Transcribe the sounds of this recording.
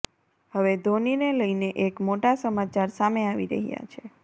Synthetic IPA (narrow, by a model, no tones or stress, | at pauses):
həʋed̪ʱonineləjneʔekmoʈasəmat͡ʃaɾsameaʋḭɾə̰ɦija̰t͡ʃʰe